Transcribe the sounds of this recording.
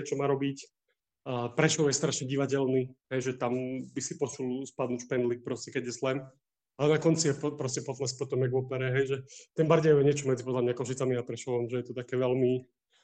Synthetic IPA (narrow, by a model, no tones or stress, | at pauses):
t͡ʃɔmaːɾɔbic | əpɾɛʃɔʊjɛst̪ɾaʃɲɛɟiʋacɛlniɦɛjʒɛt̪ambisipɔt͡ʃulspad̪nucʃpɛnlik̚pɾɔscɛkɛɟjɛslɛm | alɛnakɔnt͡sijɛppɾɔscɛpɔt̪laspɔt̪ɔmjɛɡʋɔpɛɾɛɦɛjʒɛt̪ɛmbaɾɟɛɛɛɲɪɛt͡ʃɔmɛd͡zipɔd̪lamɲakɔʃit͡samiapɾɛʃɔʋamʒɛjɛt̪ɔt̪akɛːʋɛlmi